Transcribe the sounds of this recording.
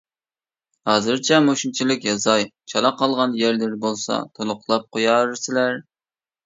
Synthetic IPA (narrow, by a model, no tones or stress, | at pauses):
hɑːzɨɾt͡ʃʰɛmoʃunt͡ʃʰilˠɪkʲjɑzɑjt͡ʃʰɑlˠɑqʰɑlˠʁɑnjæɾlɪɾbolˠsɑ̰t̪ʰolˠʊqlˠɑp̚qʰojɑɾɨsɪlæɾ